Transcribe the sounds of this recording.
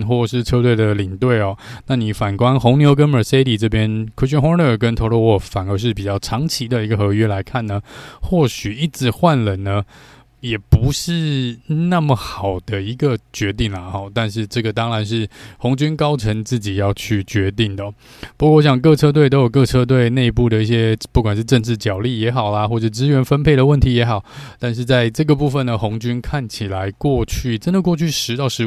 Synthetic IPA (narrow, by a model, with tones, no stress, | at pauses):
xwɔ˥˩ʂɻ̩˥˩ʈ͡ʂʰɤ˥t̪we˥˩ɪd̪ə˩li˨˩ŋt̪we˥˩ɪɐ˨˩na˥˩ni˨˩fa˨˩nkwa˦nxʊ˧˥ŋnjo˧˥ʊk̬ə˥nə˨˩se˥ɪli˨˩ʈ͡ʂɤ˥˩pjɛ˥nkʰə˥ɕy˥nxŋ˧˥ə˥˩kə˥nt̪ʰo˧˥lo˥˧wɔ˥˩fa˨˩nə˧˥ʂ̬ɻ̩˥˩pi˨˩t͡ɕjɑ˥˩ʊʈ͡ʂʰɑ˧˥ŋt͡ɕʰi˧˥d̪ə˧i˧˥ɡə˧xɤ˧˥ɥɛ˥la˧˥ɪkʰa˥˩nːə˩xwɔ˥˩ɕy˨˩i˥˩ʈ͡ʂɻ̩˧˥˦xwa˥˩nlə˨˩nnə˦ | jɛ˨˩pu˧˥ʂɻ̩˥˧na˥˩mə˩xɑ˨˩ʊd̪ə˦i˧˥ɡə˧t͡ɕɥɛ˧˥t̪i˥˩ŋlə˩ɔ˥˩t̪a˥˧nʂ̬ɻ̩˥˧ʈ͡ʂɤ˥˩ɡə˩t̪ɑ˥ŋɻa˧˦nʂ̬ɻ̩˥˩xo˧˥ŋt͡ɕy˥nkɑ˥ʊʈ͡ʂʰə˧˥ŋt͡sɹ̩˥˩t͡ɕi˨˩jɑ˥˧ʊt͡ɕʰy˥˩t͡ɕɥɛ˧˥t̪i˥˩ŋd̪ə˩ | pu˧˥kwɔ˥˩˧wo˥ɕjɑ˨˩ŋk̬ɤ˥˧ʈ͡ʂʰɤ˥t̪̬we˥˩ɪt̪o˥ʊjo˨˩ʊk̬ɤ˥˧ʈ͡ʂʰɤ˥t̪̬we˥˧ɪne˥˧ɪpu˥˩d̪ə˩i˥˩ɕ̬jɛ˥pu˥˩kwa˨˩nʂ̬ɻ̩˥˧ʈ͡ʂə˥˧ŋʈ͡ʂɻ̩˥˩t͡ɕjɑ˨˩ʊli˥˩jɛ˧˥xɑ˨˩ʊla˦xwɔ˥˧ʈ͡ʂə˩˥˧ʈ͡ʂɻ̩˥ɥɛ˧˥nfə˥npʰe˥˩ɪd̪ə˩wə˥˩nt̪ʰi˧˥jɛ˧˥xɑ˨˩˦ʊt̪a˥˧nʂ̬ɻ̩˥˧t͡sa˥˧ɪʈ͡ʂɤ˥˩ɡə˩pu˥˩fə˨˩nə˩xo˧˥ŋt͡ɕy˥nkʰa˥˩nt͡ɕʰi˨˩la˧˦ɪkwɔ˥˧t͡ɕʰy˥˩ʈ͡ʂə˥nd̪ə˨˧kwɔ˥˧t͡ɕʰy˥˩ʂɻ̩˧˥t̪ɑ˥˩ʊʂɻ̩˧˥